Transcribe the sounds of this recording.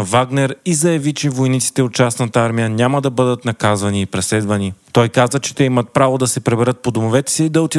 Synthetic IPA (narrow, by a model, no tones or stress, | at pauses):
vaɡnɛɾizɐjɐvit͡ʃɛvojnit̪si̥t̪ɛot̪̚t͡ʃasnət̪əaɾmijənʲaməd̪ɐbɤd̪ət̪nɐkazvɐniːpɾɛslɛd̪vɐnit̪ɔjkazvət͡ʃɛ̥t̪ɛimət̪̚pɾavod̪ɐsɛpɾɛbɛɾɤt̪̚pod̪omovɛt̪ɛ̥siːd̪ɐot̪i